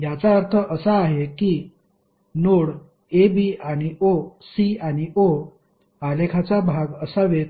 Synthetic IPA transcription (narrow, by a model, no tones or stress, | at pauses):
jat͡saəɾt̪ʰəʔəsaːɦekiː | noɽ | ebiaɽ̃iʔosiaɽ̃iʔo | alekʰat͡sabʱaɡəsaʋe